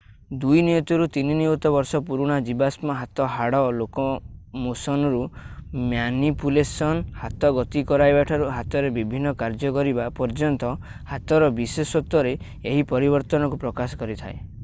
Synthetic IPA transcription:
d̪ujnijɔt̪ɔɾut̪ininiɔt̪ɔbɔɾsɔpuɾuɽ̃ad͡ʒibasmɔɦat̪ɔɦaɽɔlokɔmosɔnɔɾumjanipulesɔnhat̪ɔɡɔt̪ikɔɾajbaʈʰɔɾuɦat̪ɔɾebibʱinːɔkaɾd͡ʒɔkɔɾibapɔɾd͡ʒɔnt̪ɔ | hat̪ɔɾɔbisesɔt̪ːɔɾe | eɦipɔɾibɔɾt̪ɔnɔkupɾɔkasɔ̥kɔɾit̪ʰae

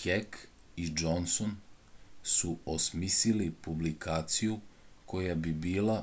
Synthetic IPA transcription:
kek | id͡ʒonson | suosmisilipublikaːt̪sijuko̞jabibiːla

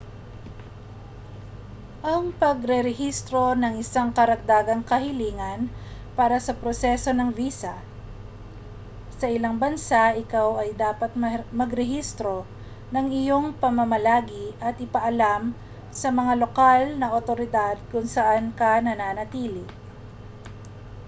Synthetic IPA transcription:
ʔɐŋpɐɡɾɛɾɛɦist̪ɾo̞nɐŋʔɪsaŋkɐɾɐɡ̚d̪aːɡɐŋkɐhɪliːŋɐnpaːɾɐsɐpɾosɛso̞nɐŋviːsɐ | sɐʔɪlaŋbɐnsaʔɪkawɐjd̪aːpɐt̪̚mmɐɡɾɛhist̪ɾo̞ | nɐŋɪjo̞ŋpɐmɐmɐlaːɡɪʔɐt̪ʔɪpɐʔɐlam | sɐmɐŋalokalnɐʔot̪o̞ɾɪd̪ad̪̚kʊŋsɐʔankɐnɐnaːnɐt̪iːlɪ

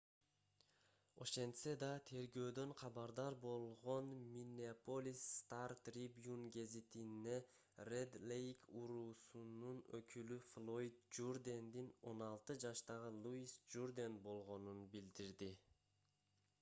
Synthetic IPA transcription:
o̞̰ʃe̞nt̪sed̪ɑt̪ʰe̞ɾɡø̞ːd̪ø̞ɴqʰɑβɑɾd̪ɑɾbo̞lˠʁo̞nmʲinʲeapolʲisːt̪art̪rʲibjunɡe̞zit̪ine̞ | red̪lʲejkuɾuːsununøkʰylyflˠo̞jt̪̚d͡ʒurd̪ʲend̪ino̞nɑlˠt̪ɯd͡ʒɑʃt̪ɑʁɯlˠuisd͡ʒurd̪enbo̞lˠʁo̞nunbild̪iɾd̪i

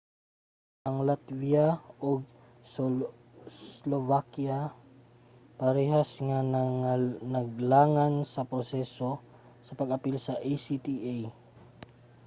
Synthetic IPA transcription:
ʔɐŋlat̪viaʔoɡ̚ | s | slovakja | pɐɾɛɦasŋa | nɐɡlaːŋansɐpɾosɛso̞ | sɐpɐɡɐpilsɐʔajsit̪iʔaj

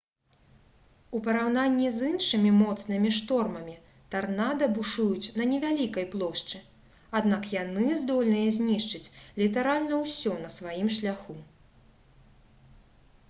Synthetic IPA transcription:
upɐɾawnanʲːizɨnʂɨmʲimɔt̪snɨmʲiʂt̪ɔrmɐmʲi | t̪arnad̪ɐbuʂujut͡sʲnɐnʲɛvʲalʲikɐjplˠɔʂt͡ʂɨ | ad̪nakjanɨzd̪ɔlʲnɨjɐzʲnʲiʂt͡ʂɨt͡sʲlʲit̪aɾalʲnɐwsʲɔnɐsvajimʂlʲaxu

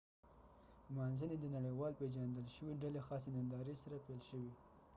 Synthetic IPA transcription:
manzəned̪ənaɽejwɑlped͡ʒand̪əlʃəwiɖalexɑs̬enand̪ɑɾesaɾapelʃəwi

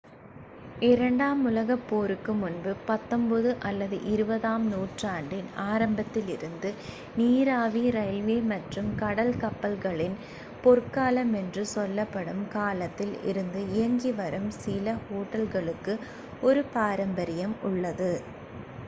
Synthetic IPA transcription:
ɪɾɐɳɖaːmʊlɐɣɐpːoːɾɯkːɯmʊnbɯpɐt̪ːɔmbɐðɯʔɐlːɐðɯʔɪɾɯbɐðaːmnuːʈraːɳɖɪnaːɾɐmbɐt̪ːɪlɪɾɯnd̪ɯ | niːɾaːʋiɾɐɪlʋeːmɐʈrɯmkɐɽɐlkɐpːɐlɣɐɭɪn | pɔrkaːlɐmɛndrɯsɔlːɐpːɐɽɯmkaːlɐt̪ːɪlɪ̰ɾɯnd̪ɯɪjɐŋɡiʋɐɾɯmsɪlɐhoːʈːɐlɣɐɭɯkːɯ | ɔɾɯpaːɾɐmbɐɾɪjɐmʊɭːɐðɯ

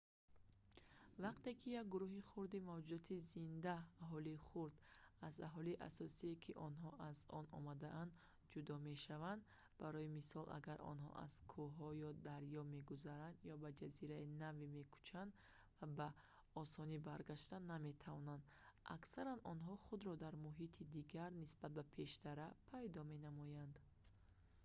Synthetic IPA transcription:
vaqt̪e̞kʰijak̚ɡuɾuɦiχuɾd̪imavd͡ʒud̪ɔt̪ʰizind̪aːɦɔliːχuɾd̪aza̰ɦɔliʔa̰sɔsiekʰiʔɔnɦɔʔazɔnɔ̰mad̪aʔand̪ | d͡ʒud̪ɔme̞ʃavand̪baɾɔimisɔlʔa̰ɡaɾʔɔ̰nɦɔ̰ʔa̰z̥kʰuɦɔjɔd̪aɾjɔme̞ɡuzaɾand̪jɔbad͡ʒaziɾainavime̞kʰu̥t͡ʃʰand̪ | vaba | ɔsɔnibaɾɡaʃt̪aname̞t̪ʰavɔnand̪a̰ksaɾanʔɔnɦɔχud̪ɾɔd̪aɾmuɦit̪ʰid̪iɡaɾnisbat̪̚bapʰe̞ʃt̪aɾapʰajd̪ɔme̞namɔjand̪

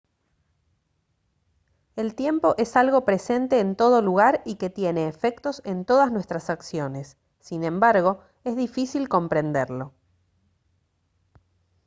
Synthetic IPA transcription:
e̞lt̪je̞mpo̞ʔe̞salɣo̞pɾe̞se̞nt̪e̞ːnt̪o̞ð̞o̞luɣaɾike̞t̪je̞ne̞ːfe̞kt̪o̞se̞nt̪o̞ð̞aznwe̞st̪ɾasaksjo̞ne̞sː | inẽ̞mbaɾɣ̞o̞ | ezðifisilko̞mpɾe̞nd̪eɾlo̞

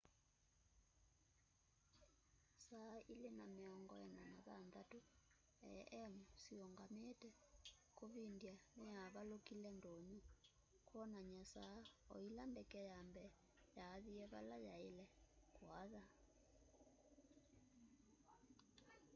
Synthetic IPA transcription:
sailɛnamɛɔŋɡɔjɛnanaβand̪atu | ɛ̰ʔɛmusijɔŋɡametɛkʼoβindianɛjaβalokʼilɛndʱoɲu | kʰwɔnaɲasaɔ̰jilambɛkɛjambɛ | jaðijɛβa̰lajailɛkwaða

